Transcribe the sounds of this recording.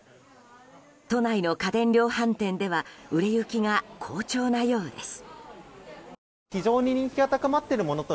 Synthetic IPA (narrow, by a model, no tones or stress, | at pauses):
t̪o̞naino̞kad̪ẽ̞nɾʲo̞ːhãnt̪ẽ̞nd̪e̞βaɯ̟ɾe̞jɯ̟kʲiɡakʰo̞ːt͡ɕo̞ːnajo̞ːd̪e̞sɨ̥ | çid͡ʑo̞ːɲ̟iɲ̟ĩŋkʲiat̪akamat̪ːe̞ɾɯ̟mo̞no̞t̪o